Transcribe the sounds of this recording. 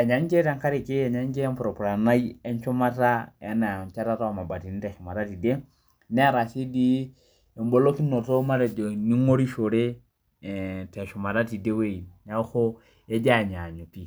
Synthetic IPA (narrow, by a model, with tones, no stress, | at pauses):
ɛ˨ɲa˨˦ɲ˦t͡ʃɛ˦ta˦ŋ˦kʰa˦ɾi˨ke˦jɛ˨ɲa˦ɲ̩˦t͡ʃɛ˦ɛ˦m̩pɾɔ˨pɾa˨na˦i˦ɛ˦n˦t͡ʃɔ˦ma˦ta˦ɛ˦na˨t͡ʃa˦ɾa˦ta˦wa˨ma˨ba˨ti˨ni˦tɛ˨ʃɔ˨ma˨ɾa˦ti˨de˦ | nɛ˦a˦ɾa˨si˦di˦ | ɛ˨m˦bɔ˦lo˦ki˦nɔ˨tɔ˦ma˦ɾɛ˨d͡ʒɔ˨ni˦ŋo˦ɾi˦ʃo˨ɾe˦˨ | tɛ˨ʃɔ˨ma˨ɾa˦ti˨de˦we˦˨na˦xɔ˦ | ɛ˦d͡ʒa˦˨ɲa˨ɲɔ˨pi˨